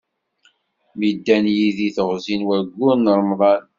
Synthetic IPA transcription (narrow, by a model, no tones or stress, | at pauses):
mid̪ːænjiðiθəʁzinwæɾɡːʊnəɾˤmðˤɑn